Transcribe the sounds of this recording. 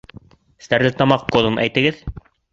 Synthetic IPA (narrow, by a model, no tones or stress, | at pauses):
st̪æɾlɘt̪ɑmɑqːoðɤ̆mæ̰jt̪ɘ̆ɡɘð